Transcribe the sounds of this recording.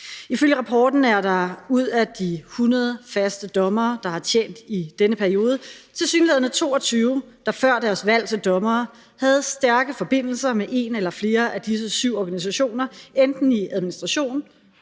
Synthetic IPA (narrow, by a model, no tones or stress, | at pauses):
iføl̰jəʁɑ̈pʰɒ̰ːd̥n̩æɐɾɑ̈uð̞̰ˠæd̥ihunɐð̞ˠfæsd̥əd̥ɒ̽mɐːd̥ɑ̈hɑ̈t͡ɕʰjḛːn̰d̥id̥enəpʰæɐijo̝ːð̞ˠət͡sʰe̝lsyːnleðˠnət͡sʰo̝ːɒ̽t͡sʰyːʊ | d̥ɑ̈fɶɐ̰d̥æɐsʋæl̰t͡sʰe̝ld̥ɒ̽mɐː | hæð̞̩ˠsd̥æɐɡ̥əfɒ̽b̥e̝n̰l̩sɐmeʔe̝nelɐfle̝ːɐʔæd̥is̬əsyʊ̰ɒɡ̥ænis̬æɕo̝̰ːnɐend̥n̩iæð̞ˠminisd̥ʁɑ̈ɕo̝̰ːn